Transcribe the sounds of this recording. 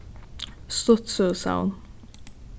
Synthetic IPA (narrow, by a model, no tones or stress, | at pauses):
st̪ɔt̪soːsa̰ʊn